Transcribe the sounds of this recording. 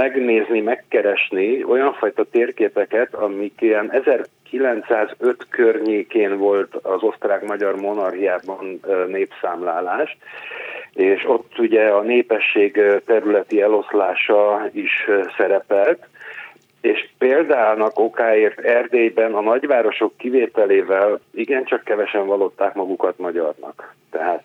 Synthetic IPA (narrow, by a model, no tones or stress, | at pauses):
mɛɡneːznimɛkːɛɾɛʃnio̞jɒɱfɒjt̪ɒt̪eːrkeːpɛkɛt̪ɒmikeɛnɛzɛrkilɛnt̪saːzø̞t̪kørɲeːkeːnvo̞lt̪ɒzo̞st̪raːɡmɒɟɒrmo̞nɒrɦijaːbɒnnːeːpsaːmlaːlaːʃ | eːʃo̞t̪ːuɟɛɒneːpɛʃːeːɡt̪ɛɾylɛt̪iɛlo̞slaːʃɒiʃsɛɾɛpɛlt̪ | eːʃpeːld̪aːnɒko̞kaːeːrt̪ɛrd̪eːjbɛnɒnɒɟʋaːɾo̞ʃo̞kːiveːt̪ɛleːvɛliɡɛnt͡ʃɒkːɛvɛʃɛɱvɒlo̞t̪ːaːkmɒɡukɒt̪mɒɟɒrnɒ̰kt̪ɛɦaːt̪